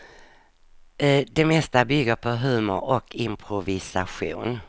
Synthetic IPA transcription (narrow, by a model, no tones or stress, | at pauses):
d̪ɛmɛst̪abʏɡːəɾpʰɔɦʉ̟ːmʊ̰ɾɔkʰɪmpʰɾʊvɪsaɧṵːn